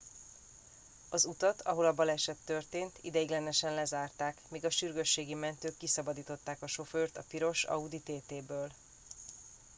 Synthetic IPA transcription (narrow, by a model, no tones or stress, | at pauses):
ɒzut̪ɒt̪ʰɒɦo̞lɒbɒlɛʃɛt̪ːørt̪eːnt̪ḭd̪ɛjiɡlɛnɛʃɛnlɛzaːrt̪aːkmiːɡɒʃyrɡø̞ʃːeːɡimɛnt̪øːkːisɒbɒd̪iːt̪o̞t̪ːaːkɒʃo̞føːrt̪ɒpiɾo̞ʃɒ̰ud̪it̪eːt̪eːbøːl